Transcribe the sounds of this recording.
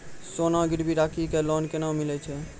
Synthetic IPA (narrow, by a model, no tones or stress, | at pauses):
sonaɡiɽbʱiɾakʰikelɔnkenawmilɛt͡ʃʰɛ